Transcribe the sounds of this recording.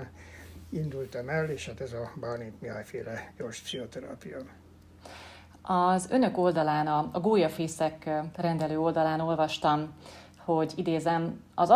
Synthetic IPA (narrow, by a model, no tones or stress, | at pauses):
nind̪ult̪ɒmɛlːeːʃhaːt̪ɛzɒbaːrnit̪miajfeːlɛjorʃpsiɦot̪ɛɾa̰ːpijɒn | ɒzø̞nø̞ko̞ld̪ɒlaːnɒɒɡoːjɒfeːsɛkrɛnd̪ɛløːo̞ld̪ɒlaːno̞lvɒʃt̪ɒm | ho̞ɟid̪eːzɛm | ɒzɒ